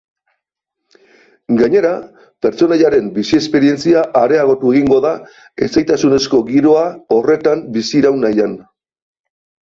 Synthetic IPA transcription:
ɡaɲe̞ɾa | pe̞ɾt͡so̞naʎaɾe̞mbisie̞spe̞ɾie̞nt͡siaʔːɾe̞aɣ̞o̞t̪ue̞ɣiŋɡo̞ða | e̞t͡sajt̪asune̞sko̞ɣiɾo̞ao̞re̞t̪ambisiɾawnajan

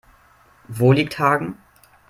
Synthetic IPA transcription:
voːliːk̚thaːɡŋ̩

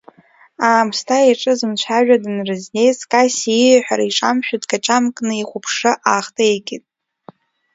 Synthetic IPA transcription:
aːmstʰaiʈ͡ʂʼɨzɨmt͡ɕʷʰaʒᶣadɨnrɨznejskʼasiiħʷᶣaɾaiʈ͡ʂʼamʃᶣudkʰat͡ʃʼamkʼnɨiχʷʊpʰʂɨʔaχtʼeekʲʼɪtʼ

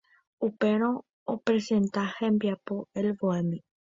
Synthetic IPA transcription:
upe̞ɾ̃õ̞ | opɾe̞sẽ̞nt̪ahẽmbiapo̞elʋoemĩ

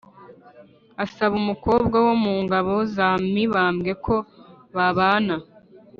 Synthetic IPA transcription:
asaβumuko̞ːbɡawo̞muːŋɡaβo̞zamiβaːmɡe̞kʰo̞ | βaβaːna

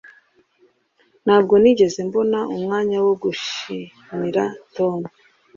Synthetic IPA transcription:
n̥haːbɡo̞niɟe̞ze̞mbo̞naumŋaːɲawoɡuʃi | miɾatoːne

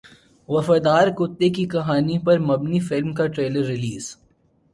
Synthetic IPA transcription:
ʋɐfaːd̪aːɾkʊt̪ːek̬ikɐɦaːnipɐɾmɐbnifɪlmkaʈɾeːləɾːɪliːz̥

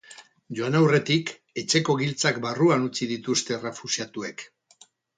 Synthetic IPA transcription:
ʝoanawre̞t̪ik | e̞t͡ʃe̞ko̞ɣilt͡sakbaruanut͡siðit̪ust̪e̞re̞fusjat̪ue̞k

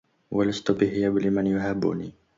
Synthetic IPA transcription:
walast̪ʊbɪɦɪjabɪlɪmanjʊɦabːʊ̰ni

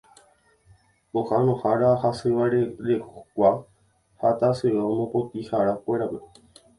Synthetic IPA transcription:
ohanõhaɾahasɨʋaɾeɾekʷa | hat̪asɨʋaõmõpot̪ihaɾakʷe̞ɾape̞

